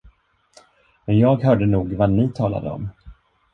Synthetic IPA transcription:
mɛnjɑːɡɦœːɖənuːɡvanɪt̪ʰɑːla̰d̪ə̰ɔ̰m

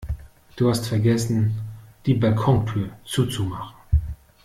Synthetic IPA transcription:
d̥uːhastfɛɐɡɛsn̩d̥iːbalkʰɔŋtʰyːɐt͡suːt͡sumaχn̩

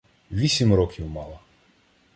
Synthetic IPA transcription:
ʋʲisʲimrɔkʲiwmɑlˠɐ

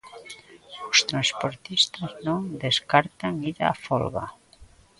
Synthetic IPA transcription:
ost̪ɾanspoɾt̪ist̪aznõŋd̪eskaɾt̪aŋiða̰ːfo̰lɣa̰

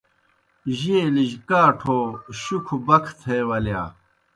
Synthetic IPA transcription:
ʑieliʑkaːʈʰoːɕukʰubɐkʰt̪ʰeːwɐljaː

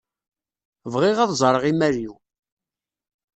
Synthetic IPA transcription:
vʁɪʁæðzˤɾˤəʁimæɾiw

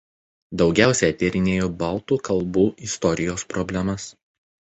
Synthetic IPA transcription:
d̪ɒʊɡʲæˑʊsʲɛɐt̪ʲeɾʲɪnʲeːjoːbɐˑlˠˑt̪uːkɐlˠbuːʔɪst̪ɔɾʲɪjoːspɾɔbʲlʲɛmɐs

